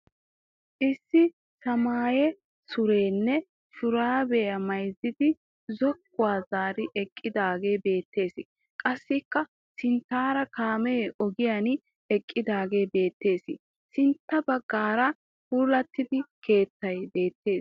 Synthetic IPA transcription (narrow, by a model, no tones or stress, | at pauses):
ʔɪsːɪ | sɐmaːjɛ | sʊɾe̞ːnːɛ | ʃʊɾaːbɛjɐmɐjzɪd̪ɪ | zɔkːʊwaːzaːɾɪʔɛkʼːɪd̪aːɡeːbe̞ːt̪ːe̞ːsɪ | kʼɐsːɪkːɐ | sɪnt̪ːaːɾɐkaːmɛɛɔɡɪjan | ɛkʼːɪd̪aːɡe̞ːbe̞ːt̪ːe̞ːsɪ | sɪnt̪ːɐbɐɡːaːɾɐ | huːlɐt̪ːɪd̪ɪkʰe̞ːt̪ːɐjbe̞ːt̪ːe̞ːs